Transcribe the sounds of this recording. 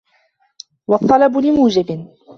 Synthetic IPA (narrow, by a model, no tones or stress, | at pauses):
wɑt̪ˤːɑlɑbʊlɪmuːd͡ʒɪbɪ